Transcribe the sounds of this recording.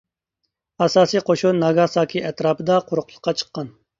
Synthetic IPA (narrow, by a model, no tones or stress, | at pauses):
ɑsɑːsiqʰoʃunɑɡɑːsɑːkʲʰiʔɛt̪ɾɑːpɨd̪ɑqʰʊɾʊqlˠə̥qːɑt͡ʃʰə̥qːɑn